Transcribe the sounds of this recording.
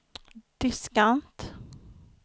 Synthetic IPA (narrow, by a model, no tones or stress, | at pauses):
d̪̥ɪskant̪